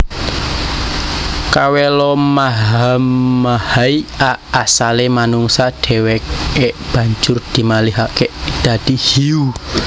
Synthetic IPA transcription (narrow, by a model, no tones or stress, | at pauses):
kawɛlɔmaɦamːahaiaːsalemanuŋsaɖ̪̥ɛ̤wɛkeʔb̥ä̤ɲd͡ʒʊrd̪̥i̤maliɦaked̪̥ä̤d̪̥ihiu